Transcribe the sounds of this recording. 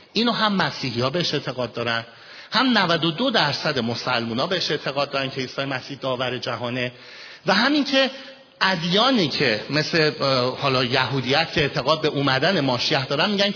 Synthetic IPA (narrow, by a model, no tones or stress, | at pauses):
ʔiːnoɦæmːæsiːɦihɒːbe̞eʃe̞ʔt̪ʰe̞ɣɒːd̪̚ːɒːɾæn | hæmnævæd̪od̪o̞d̪æɾsæd̪e̞mo̞sælmuːnɒːbe̞heʃe̞ʔt̪ʰe̞ɣɒːd̪ːɒɾæncʰe̞iːsɒːjemæsiːhd̪ɒːvæɾe̞d͡ʒæɦɒːne̞ | væɦæmiŋcʰe̞ | ʔæd̪jɒːniːcʰe̞me̞sle̞hɒːlɒːjæɦuːd̪iæt̪cʰeeʔt̪ʰe̞ɣɒːd̪̚be̞ʔuːmæd̪æne̞mɒːʃijæhd̪ɒːɾænmiːɟæn